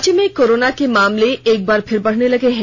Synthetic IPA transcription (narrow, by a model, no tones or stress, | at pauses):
t͡ʃemẽkoːɾoːnakemaːmleeːk̚baːɾpʰɪɾbɐɽ̤nelɐɡeɦɛ̃ː